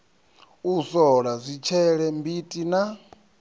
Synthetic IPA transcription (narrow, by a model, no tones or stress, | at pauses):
usɔɺazʷit͡ʃʰɛɺɛmbitʼina